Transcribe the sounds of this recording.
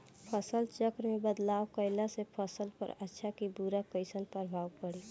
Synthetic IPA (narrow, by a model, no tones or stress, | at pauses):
pʰəsəlt͡ʃəkɾmebəd̪laːwkəɪlasepʰəsəlpə̰ɾətːʃʰakibuɾakəɪsənpəɾbʱaːwpəɽi